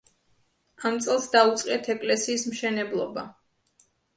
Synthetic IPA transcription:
amt̪sʼɛlˠsd̪aut̪sʼqʼɛt̪ʰɛkʼlɛsiːsmʃɛnɛblˠɔba

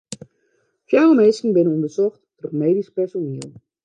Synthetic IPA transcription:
fjawəmeːskəŋ̩bɪnəɔndərsɔxtdɔrmeːdispɛrsoniəlˠ

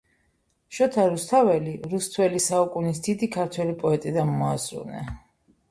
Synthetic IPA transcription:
ʃɔt̪ʰaɾust̪ʰavɛliɾust̪ʰwɛlisaukʼunisd̪id̪ikʰaɾt̪ʰwɛlipʼɔɛt̪ʼid̪anmɔazɾṵnɛ̰

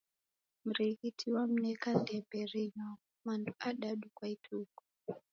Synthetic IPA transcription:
muɾikitʰiwam̩nekandebʱerina | mantʰuʔaɗaɗukwaitʰuːku̥

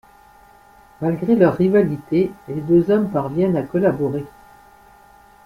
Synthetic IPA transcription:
malɡʁelœʁːivalit̪eled̪øzɔmpaʁvjɛnakɔlabɔʁe

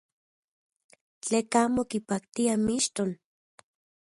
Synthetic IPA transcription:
t͡ɬeːkaːmokipak̚t̪iamiʃt̪on

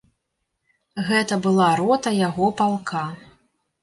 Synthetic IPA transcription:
ɣɛt̪ɐbɨlˠaɾɔt̪ɐjaɣɔpalˠkʰa

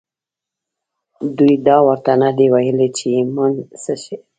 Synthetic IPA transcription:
d̪ujd̪ɑwəɾt̪anad̪ewajəlet͡ʃemənsəʃe

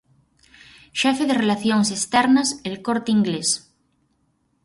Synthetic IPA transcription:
ʃɛfeðerelaθjoŋsest̪ɛɾnaselkoɾt̪iŋɡles

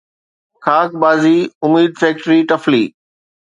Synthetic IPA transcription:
kʰaːk̚baːziʊmiːd̪̚fɛːk̚ʈɾiʈɐflḭː

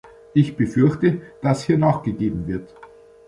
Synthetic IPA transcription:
ʔɪçb̥əfʏɐçtəd̥ashiːɐnaːχɡ̥əɡeːbm̩vɪɐt

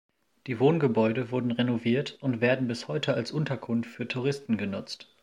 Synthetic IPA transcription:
d̥iːvoːnɡəbɔʏdəvʊɐdn̩ʁenoviːɐtʊntv̥eːɐdn̩bɪshɔʏtʰəalsʔʊntɐkʰʊnftfyːɐtʰuʁ̞ɪstn̩ɡənʊt͡st

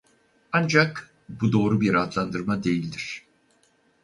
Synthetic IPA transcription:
and͡ʒak | bud̪o̞ːɾubiɾat̪ʰlˠand̪ɯɾmad̪e̞jilʲd̪iɾ̥

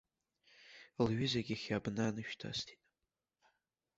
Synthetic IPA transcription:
lɥizaɡʲaχʲabnanɨʃᶣtʰa̰stʰi̥tʼ

